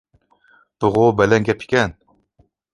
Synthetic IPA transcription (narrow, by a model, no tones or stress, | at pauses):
b̥ɨʁobɛlɛŋɡʲɛpʰi̥kʲɛn